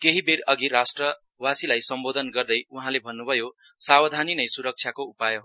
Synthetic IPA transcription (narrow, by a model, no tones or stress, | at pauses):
keɦiberʌɡirasʈrʌ | wasilajsʌmbod̪ʱʌnɡʌrd̪ʌjuɦãlebʱʌnːubʱʌjo | sabʌd̪ʱaninʌjsuɾʌk̚t͡ʃʰjakoupajo